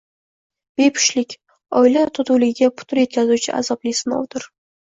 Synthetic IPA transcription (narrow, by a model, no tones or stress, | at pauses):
b̥e̞pʰʊ̥ʃlɪkʲ | ɒjlat̪ʰʊt̪uwlɪɡʲɪɡʲapʰʊ̥t̪ʰɪɾje̞t̪̚kʲʰazut͡ʃʰɪʔa̰zɒblɪsɪnɪo̰t̪ʰɪɾ